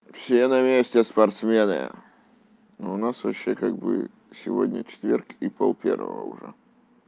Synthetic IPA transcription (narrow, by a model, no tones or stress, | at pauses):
fsʲenɐmʲesʲtʲɪspɐrt̪smʲenɨ̰jə̰ | noʊnasvɐɕːekaɡ̚bɨ̰ | sʲɪvodʲnʲət͡ɕɪ̥t̪vʲerkipolˠpʲervə̰və̰ʊʐɛ